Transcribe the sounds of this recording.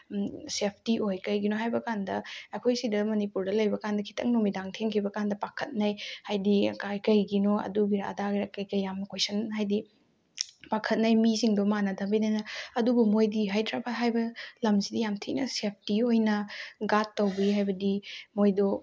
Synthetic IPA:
sep̚ʰtiʔojkɐjɡinoɦajbɐkandɐɐkʰojsidɐmɐnipuɾdɐlɐjbɐkandɐkʰi̥tʰɐ̰ŋnomidaŋtʰeŋkʰibɐkandɐpakʰɐt̚nɐjhajdikajkɐjɡinoɐ̰duɡiɾa̰daɡiɾɐkːɐjkɐjjamnɐkʰojsɐnɦajdi | pakʰɐt̚nɐjmisiŋdomanɐdɐmbinɐjnɐɐdubumojdiɦajtɾabaɦajbɐlɐmzidijamtʰiʔnɐsep̚ʰtiojnɐɡatːɐwbiɦajbɐdimojdo

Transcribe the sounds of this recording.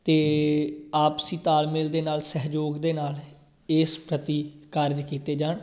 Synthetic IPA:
t̪eː | aːpsĩːt̪aːlmeːld̪eːnaːlsɛɦd͡ʒoːɡd̪eːnaːl | ɪːspɾət̪iːkəɾd͡ʒkiːt̪eːd͡ʒaːn

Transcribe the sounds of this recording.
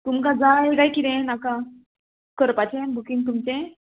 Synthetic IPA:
t̪umkad͡zajɡajkid̪ẽnakã | kəɾpat͡ɕʰẽbukĩŋ̚t̪̬umt͡ɕẽ

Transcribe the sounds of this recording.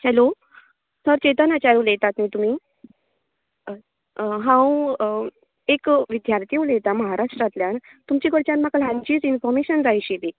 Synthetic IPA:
t͡ɕɛlo | səɾt͡ɕet̪ənat͡ɕaɾulet̪at̪miːt̪um̤iː | ɦãw | ekʋid̪jaɾt̪iulet̪aməɦaɾaʂʈɾat̪ljant̪umt͡ɕiːkəɽt͡ɕãnmaklãnd͡ʑiːd͡zinfɔɾmeɕənd͡zajɕit̪i

